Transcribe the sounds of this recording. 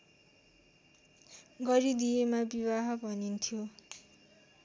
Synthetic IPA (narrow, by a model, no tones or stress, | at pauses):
ɡʌɾid̪ijemabibaɦʌbʱʌnint̪ʰjo